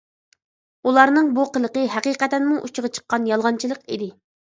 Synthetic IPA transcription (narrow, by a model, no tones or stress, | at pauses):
ulˠɑɾnɨŋbuqəlˠəqəɦɛqiqɛt̪ɛnmuʔut͡ʃʰəʁɑt͡ʃʰə̥qːɑnjɑlˠʁɑnt͡ʃʰilˠəqid̪ɪ